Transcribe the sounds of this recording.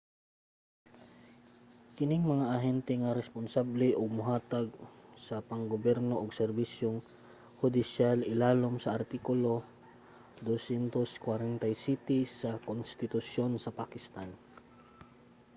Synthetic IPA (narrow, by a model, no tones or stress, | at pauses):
kɪnɪŋmɐŋaʔɐɦɛnt̪ɛŋaɾɛspʊnsablɛʔʊɡ̚mʊɦaːt̪aɡsɐpɐŋɡobjɛɾnoʔoɡsɛɾbisjoŋ | hʊd̪ɪʃjalɪlaːlomsɐʔɐɾt̪ikʊlo | d̪osjɛnt̪oskwaɾɛnt̪ajsit̪ɪsɐkonst̪ɪt̪ʊsjonsɐpakɪst̪an